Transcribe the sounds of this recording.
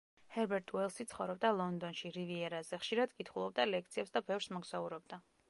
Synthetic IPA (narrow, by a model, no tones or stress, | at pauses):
hɛɾbɛɾt̪ʼɛlˠsit̪sʰχɔ̰vɾɔbd̪alˠɔnd̪ɔnʃiɾiviɛɾazɛχʃiɾad̪kʼit̪ʰχulˠɔb̚d̪alɛk̚t̪sʰiɛpsd̪abɛvɾsmɔɡz̥auɾɔb̚d̪a